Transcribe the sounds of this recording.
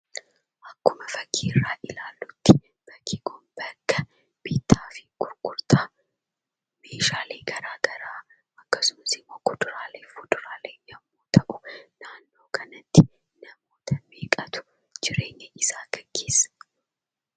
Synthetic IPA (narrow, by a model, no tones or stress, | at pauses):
ʔɐkːʊmɐfɐkʰːiːrːaːʔɪlaːlːʊt̪ːɪ | b̥ɐkʰːɪɡʊnb̥ɐkːɐ | b̥iːt̪ːaːfɪɡ̥ʊɾkʼʊɾt̪ʰaː | meːʃaːleːɡɐɾaːɡ̥ɐɾaː | ɐkːɐsʊmsɪmokʊd̪ʊɾaːleːfʊd̪ʊɾaːleːjɐmːoːt̪ʰɐʔʊ̥naːnːoːkʰɐnɐt̪ːɪ | nɐmoːt̪ɐmeːkʼɐt̪ʊ̥ | d͡ʒɪɾeːŋːɐɪsaːɡ̥ɛɡ̥ːe̞ːsːɐ̥